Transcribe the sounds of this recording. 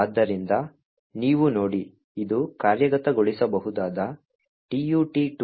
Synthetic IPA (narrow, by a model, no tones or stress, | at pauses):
d̪ːɐɾind̪ɐ | niːʋuno̞ːɽi | id̪ukaːɾjɐɡɐt̪ɐɡoɭisɐbɐɦud̪aːd̪ɐ | ʈiːjuʈiʈ